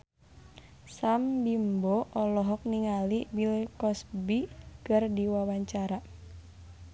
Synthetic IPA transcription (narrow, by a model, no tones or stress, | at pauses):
sambimbɔʔɔlɔɦɔk̚niŋalibilkɔsbikɨrdiwawaɲt͡ʃaɾa